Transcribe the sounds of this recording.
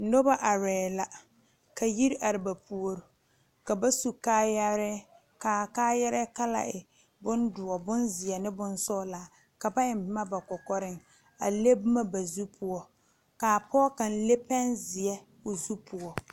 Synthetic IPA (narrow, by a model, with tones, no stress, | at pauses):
no˦ba˦ʔa˨ɾɛː˨la˨ | ka˨ji˦ɾʔa˨ɾɪ˨ba˨pu˨o˦ɾʊ˨ | ka˨ba˦su˨kaː˦ja˦ɾɛ˦ | ka˨kaː˦ja˦ɾɛ˦ka˦la̰˨ʔɪ˨ | bʊ˦ndʊ˨ɔ˨bʊ˦nzɪ˨ɛ˨nɪ˦bʊ˦n˦sɔ˦la˨ | ka˨ba˦ɪ˨m˦bɪ˦ma˦ba˨kɔ˨kɔ˦ɾɪ˦ŋ | a̰˨le˦bʊ˦ma˦ba˨zu˦pʰʊ˨ɔ˨ | ka˨pɔ˦ka˨n̩˦le˦pɛ˦nzɪ˨ɛ˦ | ʊ˨zu˦pʰʊ˨ɔ˨